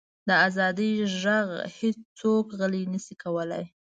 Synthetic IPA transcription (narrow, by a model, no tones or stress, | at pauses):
d̪əazɑd̪iʒaɣhet͡st͡sokɣəlinəsikawəla̰j